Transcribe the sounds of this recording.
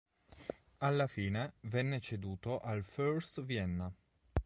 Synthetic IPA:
alːafiːnevɛnːet͡ʃed̪uːt̪oʔalføɾst̪viɛnːa

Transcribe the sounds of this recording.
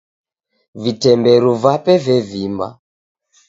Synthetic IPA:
vitɛmbɛɾuvapɛvɛvimba̰

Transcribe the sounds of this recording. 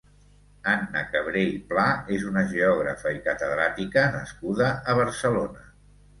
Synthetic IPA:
anːəkəβ̞ɾejplaezunəʒeɔɣ̞ɾə̰fəikət̪əðɾat̪ikənəskuðəːβəɾsəlonə

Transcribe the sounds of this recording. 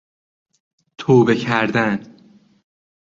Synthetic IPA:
t̪ʰoːbe̞cʰæɾd̪æn

